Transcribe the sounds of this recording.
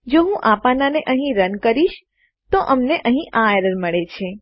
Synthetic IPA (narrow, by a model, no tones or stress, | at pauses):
d͡ʒoɦũʔapananeʔəɦĩɾənkəɾiʃ | t̪oʔəmneʔəɦĩʔaɾəɾməɭet͡ʃʰe